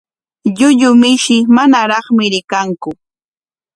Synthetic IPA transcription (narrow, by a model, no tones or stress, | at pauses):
ʎʊʎʊmɪʃɪmanaɾɑχmɪɾɪkaŋkʊ